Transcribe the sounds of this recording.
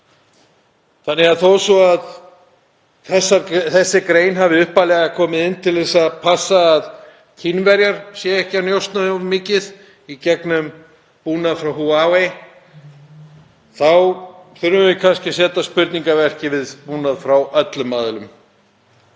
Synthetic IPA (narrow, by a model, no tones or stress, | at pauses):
θanːɪɣaðθowsɔað | θɛsːaθɛsːɪkɾeːjnɦavɪʏhpalɛːɣakʰɔːmɪðɪnːt̪ʰɪlθɛsːapʰasːaːð | cʰinvɛɾjaɾ̥sjɛɛhcanjowst̪naðʏmɪːcɪð | icɛknʏm | puːnaðfɾawɦuawej | θawθʏɾvʏvɪkʰanscɪsɛːt̪aspʏɾt̪niŋkavɛr̥cɪvɪðpuːnaðfɾawʔœt̪lʏmːaːðɪlʏm